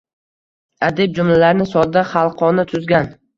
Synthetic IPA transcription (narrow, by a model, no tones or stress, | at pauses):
ad̪eb̚d͡ʒʊmlalaɾnɪsɒd̪aχalˠqʰɒnat̪ʰʊzɡʲan